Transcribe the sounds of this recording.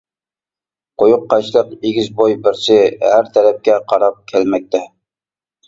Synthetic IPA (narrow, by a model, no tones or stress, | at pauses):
qʰojʊqːɑʃlˠəqeɡʲɪzbojbɪɾsɪhæɾt̪ʰɛɾɛp̚kʲɛqʰɑɾɑp̚kʲʰælmɛk̚ʲt̪ʰɛ